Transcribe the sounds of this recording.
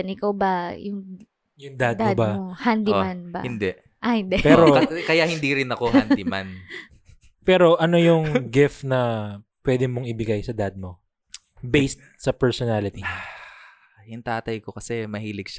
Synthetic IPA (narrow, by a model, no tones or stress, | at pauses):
nɪkawbɐjʊŋ | jʊŋd̪ad̪dod̪baohand̪imanbɐ̰hɪnd̪ɛʔ | ʔɐhɪnd̪ɛpɛːɾokɐjahɪnd̪iɾɪnɐkohand̪ɪman | pɛːɾo̞ʔɐno̞jʊŋɡɪft̪nɐpwɛːd̪ɛmoŋɪbɪɡajsɐd̪ad̪̚mo̞ | bejst̪̚sɐpɛɹsɔnalɪt̪i | jʊŋt̪aːt̪ɐjkokɐsɛmɐhiːlɪɡ̚ʃa